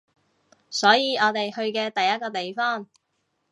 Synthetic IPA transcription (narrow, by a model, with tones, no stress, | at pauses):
sɔː˨˥jiː˨˧ɔː˨˧t̪e˨jhɵ˧ɥkɛː˧t̪ɐ˨jːɐ˥t̚kɔː˧t̪e˨jfɔː˥˩ŋ